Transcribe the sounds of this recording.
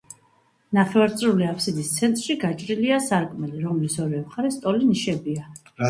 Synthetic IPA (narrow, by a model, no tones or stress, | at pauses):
naχɛvaɾt̪sʼɾuliapʰsid̪ist̪sʰɛnt̪ʼɾʃiɡat͡ʃʼɾiliasaɾkʼmɛliɾɔmlisɔɾɛmχaɾɛst̪ʼɔliniʃɛbia